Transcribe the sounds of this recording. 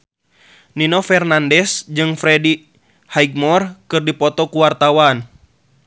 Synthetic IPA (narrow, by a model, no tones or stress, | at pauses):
ninɔfɛrnandɛsd͡ʒɨŋfɾɛdi | hajɡ̚mɔrkɨrdipɔt̪ɔkuwart̪awan